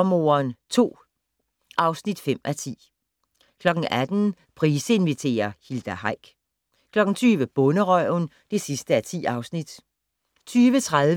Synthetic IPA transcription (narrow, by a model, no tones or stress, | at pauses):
mo̝̰ːɐnt͡sʰo̝̰ː | ʔɑ̈ʊsnid̥fem̰ʔæt͡sʰḭː | kʰlɒ̽ɡ̥n̩ʔæd̥n̩ | pʰʁiːsəe̝nʋit͡sʰe̝̰ːɐhild̥æɦɑ̈ɪ̰ɡ̥ | kʰlɒ̽ɡ̥n̩t͡sʰyːʋəb̥ɔ̽nəʁœʊn | d̥e̝sisd̥əæɐt͡sʰḭːɑ̈ʊsnid̥ | t͡sʰyːʋət͡sʰʁaðˠ